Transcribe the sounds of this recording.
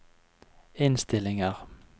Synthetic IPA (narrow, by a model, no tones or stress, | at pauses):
ɪnst̪ɪlɪŋəʁ